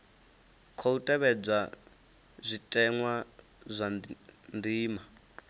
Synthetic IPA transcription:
kʰɔutʼɛβɛd͡zʷa | zʷitʼɛŋwa | zʷandiːma

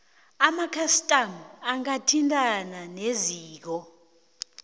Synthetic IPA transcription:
amakʰastʼamaŋatʰintʼananeziːk̬ɔ

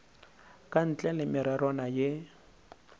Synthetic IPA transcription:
kʼan̩t͡ɬʼɛlɪmɪɾaɾɔnajɪ

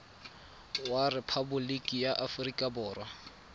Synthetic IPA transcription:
warɪpʰabʊlikʼijaʔafrikʼabʊːrwa

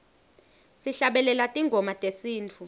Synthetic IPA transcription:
siɬaɓɛlɛlatʼiŋɡʱɔmatʼesiːnt͡fʰu

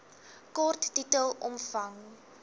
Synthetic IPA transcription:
kɔrtːitəlˠɔ̰mfɐŋ

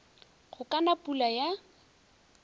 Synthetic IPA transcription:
χʊkʼanapʼulaja

